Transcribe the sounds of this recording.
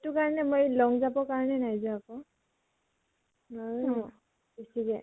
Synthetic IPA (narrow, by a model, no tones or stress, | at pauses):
etʊkaɹɔnɛmojlɔŋzabɔkaɹɔnɛnajzɔakɔ | nɔɹɔ | besikɛ